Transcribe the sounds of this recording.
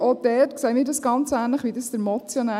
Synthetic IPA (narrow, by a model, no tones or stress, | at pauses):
ʔod̥ɛːtksɛɪmiːɾdɑsɡ̥ɑnt͡sæːnləχʋidəsd̥̪əɾmɔt͡sjɔnæ